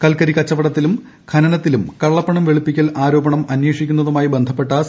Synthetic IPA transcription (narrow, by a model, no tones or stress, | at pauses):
kɐlkɐɾikɐt͡ɕːɐʋɐɽɐt̪ːilum | kʰɐnɐnɐt̪ːilumkɐɭːɐpːɐɳɐmʋe̞ɭupːikʲːɐlʔaːɾo̞ːbɐɳɐmɐnweːʂikʲːun̪ːɐðumaːjibe̞nd̪ʱɐpːe̞ʈːas